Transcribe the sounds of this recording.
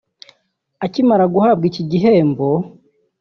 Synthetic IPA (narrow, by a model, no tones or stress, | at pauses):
acimaɾaɡuhaːb̚ɡiciɟiɦe̞ːmbo